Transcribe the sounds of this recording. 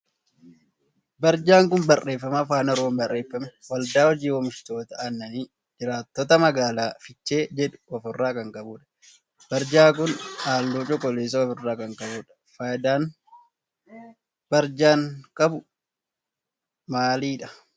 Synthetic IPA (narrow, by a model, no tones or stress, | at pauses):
bɐɾd͡ʒaːŋk̬ʊnbɐrʔe̞ːfːɐmɐfaːnɐɾoːmbɐrʔe̞ːfːɐmwɐld̪aːɔd͡ʒiːwɔmɪʃt̪o̞ːt̪ɐɐnːɐniː | d͡ʒɪɾaːt̪ːɔt̪ɐmɐɡaːlaːfɪt͡ʃːe̞ːd͡ʒɛᶑʊ̥ɔfɪrːaːkɐŋkʼɐbuːᶑɐ̥ | b̥ɐɾd͡ʒaːk̬ʊnaːlːoːt͡ʃʼɔkʼɔleːs̬ɐɔfɪrːaːkɐŋkʼɐbuːᶑɐ̥ | faːd̪aːn | bɐɾd͡ʒaːŋkʼɐbʊ | maːliːᶑɐ̥